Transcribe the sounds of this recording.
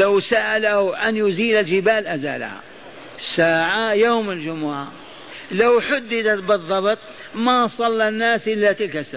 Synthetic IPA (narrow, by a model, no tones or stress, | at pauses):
lawsaʔalahuʔanjʊziːlald͡ʒɪbaːlʔaza̰ːla̰ha̰ | saːʕajoːmɪld͡ʒʊmʊʕa | lawħʊd̪ːɪd̪at̪bɨðˤːɑbt̪ˤ | masˤɑlːanːaːsʔɪlːat̪ɪlkasːa